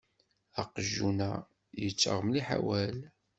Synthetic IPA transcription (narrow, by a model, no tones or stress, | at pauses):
ɑqəʒːunæ | jət͡sːə̰ʁmliħa̰wæl